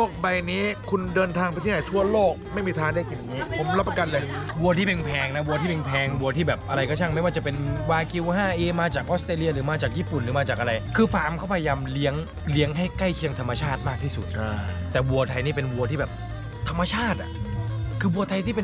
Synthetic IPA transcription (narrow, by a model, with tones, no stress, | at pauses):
o˥˩k̚ba˧jniː˦˥kʰu˧ndɤː˧nt̪ʰaː˧ŋpi˧i˥˨a˨˩jt̪ʰu˥˩ɐloː˥˩k̚ma˥˩jmiː˧t̪ʰaː˧ŋde˥˩k̚ja˨˩ŋːiː˦˥pʰo˨˩˦mla˦˥pːa˧ka˧nlɤː˧jwu˧ɐt̪ʰiː˥˩pe˧npʰɛː˧ŋna˦˥wu˧t̪ʰiː˥˩pe˧npʰɛː˧ŋwu˧ɐt̪ʰiː˥˩bɛː˨˩p̚ʔa˧ɾa˧jkʰɔ˥˩t͡ɕʰa˥˩ŋma˥˩jwaː˥˩t͡ɕa˨˩pe˧nwaː˧ki˧wɦaː˥˩ʔeː˧maː˧t͡ɕaː˨˩kʔɔ˦˥st̪ɾeː˧li˧ɐɾɯː˩˦maː˧t͡ɕaː˨˩k̚jiː˥˩pu˨˩nɾɯː˩˦maː˧t͡ɕaː˨˩k̚ʔa˧ɾa˧jkʰɯː˧faː˧˩mkʰɔ˥˩pʰa˧ja˧jaː˧mli˦˥əŋ | li˦˥əŋɦa˥˩jka˥˩jkʰi˧əŋt̪ʰa˧mːa˧t͡ɕʰaː˥˩t̪̚maː˥˩k̪̚ʰiː˥˩su˨˩t̪̚t̪ɛː˨˩wu˧ɐt̪ʰa˧jniː˥˩pe˧nwu˧ɐt̪ʰiː˥˩bɛː˨˩p̚ | t̪ʰa˧mːa˧t͡ɕʰaː˥˩t̪̚a̰˨˩ʔkʰɯː˧wu˧ɐt̪ʰa˧jt̪ʰiː˥˩pe˧n